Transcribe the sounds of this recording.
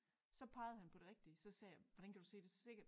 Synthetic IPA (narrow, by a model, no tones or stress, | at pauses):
sɒ̽pʰɑ̈ɪð̩ˠhænpʰɒ̽d̥e̝ʁɛɡ̥̚d̥isɒ̽sɛ̰ːjʋɒdænkʰæd̥use̝̰ːd̥e̝sse̝ɡ̥ɐd̥